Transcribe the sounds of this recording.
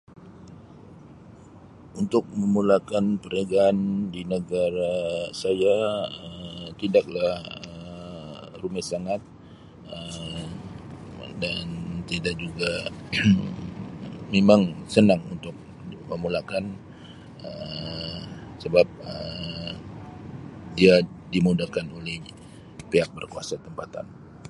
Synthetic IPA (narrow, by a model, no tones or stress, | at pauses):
unt̪ʊk̚məmulakanpəɾaɡaːndinəɡaɾasajaət̪indak̚lahə | rumɪsaŋat̪̚ | ə | dant̪idak̚d͡ʒuɡa | memaŋsənaŋunt̪ʊk̚ | məmulakan | ə | səbap̚ə | diadimudakanolɛh | peɦak̚bərkuasat̪əmpat̪a̰n